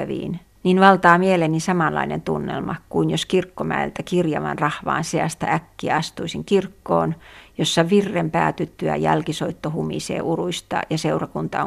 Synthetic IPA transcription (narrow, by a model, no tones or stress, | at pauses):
æʋḭːn | ninʋɑlt̪ɑːmielenisɑmɑlːɑ̰inent̪unːḛlmɑkuinjoskirkːomæḛlt̪ækirjɑ̰ʋɑ̰nrɑhʋɑ̰ːnseæst̪æ̰ækːiæɑst̪uisiŋkirkːo̰ːnjosːɑʋirːempæ̰ːt̪yt̪ːyæ̰jælkisoit̪ːohumḭsḛːʔuruist̪ɑ̰jɑseurɑkunt̪ɑ̰